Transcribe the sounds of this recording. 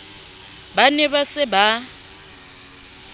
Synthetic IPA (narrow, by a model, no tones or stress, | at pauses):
banɛβasɪba